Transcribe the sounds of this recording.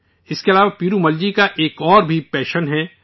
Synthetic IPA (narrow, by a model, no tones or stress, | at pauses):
ɪskeɐlaːʋapiːɾumɐld͡ʒikaʔeːkɔːɾbʱipɛːʃənɦɛː